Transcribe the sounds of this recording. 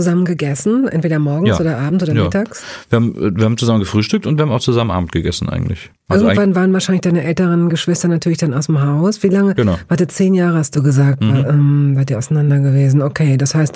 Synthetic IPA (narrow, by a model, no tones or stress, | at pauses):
t͡suzamənɡəɡɛsn̩ʔɛ̰ntv̥eːdɐmɔɐɡŋsʔoːdɐʔaːbm̩tʔoːdɐjmɪtaːksviːɐhaːbmɛ̰viːɐaːm̩t͡suzamən̩ɡəfʁ̥yːʃtʏk̚tʊntviːɐhamaʊxt͡suzamnʔa̰ːbm̩tɡ̥əɡɛ̰sn̩ʔa̰ɪɡŋ̩tlɪ̰ç | ɪɐɡŋ̩v̥anvaːʁənvaɐʃaɪnlɪçd̥aɪnəʔɛltəʁənɡəʃv̥ɪstɐnatʰyːɐlɪçd̥anaʊsɪmɦaʊsv̥iːlaŋəɡvaːɐdeːt͡seːnjaːʁəhast̚d̥uːɡəzaːk̚tvaʔɛːmvaːtdiːɐʔaʊanandɐɡəveːzn̩okʰeːdashaɪst